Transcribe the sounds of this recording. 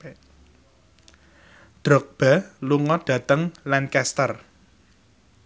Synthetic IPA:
d̪̥ɾɔk̚b̥a̤luŋɔɖ̥ä̤t̪əŋlankɛst̪ər

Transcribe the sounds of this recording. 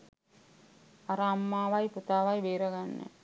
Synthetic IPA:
aɾaːmːaːʋajput̪aːʋajʋeːɾɐɡanːə̰

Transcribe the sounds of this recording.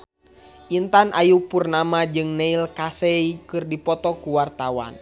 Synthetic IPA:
ʔint̪anʔajupurnamad͡ʒɨŋnɛilkasɛikɨrdipɔt̪ɔkuwart̪awa̰n

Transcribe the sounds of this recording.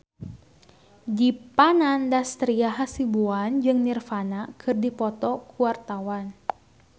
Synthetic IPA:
dipanandast̪ɾiaɦasibuand͡ʒɨŋnirfanakʰɨrdipɔt̪ɔkʰuwart̪awan

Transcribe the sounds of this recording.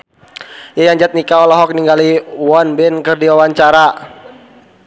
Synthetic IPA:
jajaɲd͡ʒat̪̚nikaɔlɔɦɔk̚niŋɡaliwɔnbɛnkɨrdiwawaɲt͡ʃaɾa

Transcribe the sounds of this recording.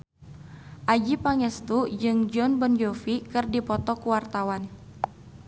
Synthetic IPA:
ʔad͡ʒipaŋɛst̪ud͡ʒɨŋd͡ʒɔnbɔnd͡ʒɔfikɨrdipɔt̪ɔkuwart̪awan

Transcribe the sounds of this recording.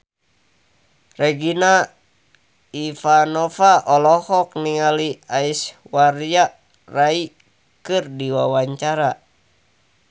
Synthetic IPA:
rɛɡina | ifanɔfaʔɔlɔhɔk̚niŋaliaiswarjaʔ | rai | kɨrdiwawaɲt͡ʃaɾa

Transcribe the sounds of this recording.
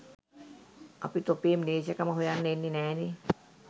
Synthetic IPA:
a̰pit̪opemneːsakamaɦujanːenːinɛːni

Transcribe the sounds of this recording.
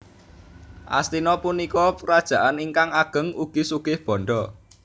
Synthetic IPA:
ʔa̰st̪inɔpunikɔpɾad̥ʒ̥ä̤ʔaniŋkaŋaɡ̥ə̤ŋuɡ̥i̤suɡ̥ɪhb̥ɔ̤ɳɖɔ

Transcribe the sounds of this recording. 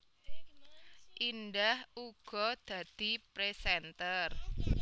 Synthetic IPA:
ʔinɖahuɡ̥ɔ̤d̪̥ä̤d̪̥i̤pɾesɛnt̪ər

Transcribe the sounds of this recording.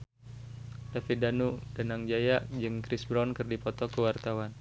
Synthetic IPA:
d̥afidanudanaŋd͡ʒajaʔd͡ʒɨŋkɾɪsbɾankɨrdipɔt̪ɔkəwart̪awan

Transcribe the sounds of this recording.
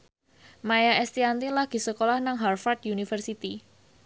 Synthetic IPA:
majaɛst̪iant̪ilaɡ̥i̤səkolahnaŋɦarfard̪̚unifərsit̪i

